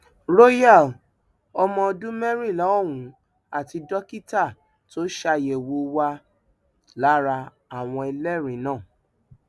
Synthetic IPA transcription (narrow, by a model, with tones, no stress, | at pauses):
ɾo˦ja˦˨l | ɔ˧mɔ̃˧dũ˦mɛ˦ɾi˦˨lɔ˨˦ɔ˦˨wũ˨˦ | a˦˨ti˧dɔ˦ki˦ta˦˨ | to˦ʃa˧je˨wo˨˦wa˧ | la˨˦ɾa˧ | a˨w̃ɔ̃˧ɛ˧lɛ˦˨ɾĩ˨˦nãː˦˨